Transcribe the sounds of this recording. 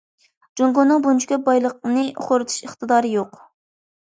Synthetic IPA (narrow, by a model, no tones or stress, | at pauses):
d͡ʒoŋɡonːɨŋbunt͡ʃʰikʲɛbɑjlˠəq̚nɨʔχoɾɨt̪ʰu̥ʃəχt̪ɨd̪ɑːɾɨjoq